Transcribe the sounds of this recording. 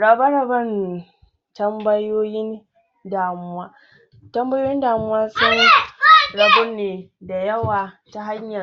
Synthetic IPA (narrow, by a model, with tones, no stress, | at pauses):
ɽɐ˨bɐ˦ɽɐ˨bɐ˦n | tɐ˦mbɐ˦joː˦jɪ˦n | daː˨mʊ˦waː˦ | tɐ˦mbɐ˦joː˦jɪ˦ndaː˨mʊ˦waː˦sɔ˦n | ɽɐ˨bʊ˦nːeː˨da˨jɐ˦waː˨ta˦ɦa˦ɲjɐ˨